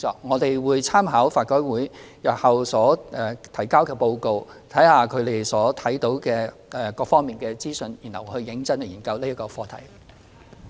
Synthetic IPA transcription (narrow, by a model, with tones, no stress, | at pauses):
ɔ̰ː˧k̚ŋɔː˨˧t̪e˨jwuː˨˧jt͡sʰaː˥mɦaː˨˥wfaː˧t̚kɔː˨˥jwuː˨˥jjɐ˨p̚hɐ˨wsɔː˨˥ɛː˨˩t̪ʰɐ˨˩jkaː˥wkɛː˧po˧wko˧wt̪ʰɐ˨˥jhaː˨˧kʰɵ˨˧ɥt̪e˨jsɔː˨˥t̪ʰɐ˨˥jt̪o˨˥wkɛː˧ | ɛː˨˩kɔː˧k̚fɔː˥ŋmiː˨nkɛː˧t͡siː˥sɵ˧njiː˨˩nhɐ˨whɵ˧ɥːɪ˨˥ŋt͡sɐ˥nhɐ˨˧jiː˨˩kɐ˧wliː˥ɐ˥kɔː˧fɔː˧t̪ʰɐ̰˨˩j